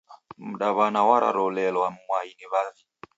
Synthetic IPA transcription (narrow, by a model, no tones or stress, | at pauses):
m̩ɗaβanawaɾʔa̰ɾɔlɛlwam̩mwainiβavi